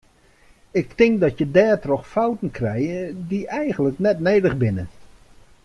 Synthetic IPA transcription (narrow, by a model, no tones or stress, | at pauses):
ɪk̚tɪŋk̚dɔtjədɛːtrɔxfawtn̩kʰrɛjədiʔɛjɣən̩ləknɛtneːdəxbɪnə̰